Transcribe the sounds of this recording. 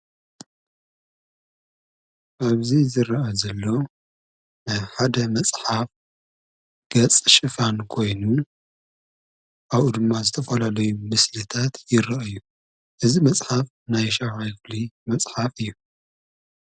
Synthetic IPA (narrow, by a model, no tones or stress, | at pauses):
ʔaβzizɨɾɐʔazɐlːo̞ | najħad̪ɐmɐt͡sʼħaf | ɡ̥ɐt͡sʼʃɨfankʰo̞jnu | ʔaβʔud̪ɨmːazɨt̪ʰɐfɐlalɐjumɨslɨt̪ʰat̪jɪɾɐʔɨjːu | ʔɨzimɐt͡sʼħaf | najʃafajflimɐt͡sʼħafɨjːu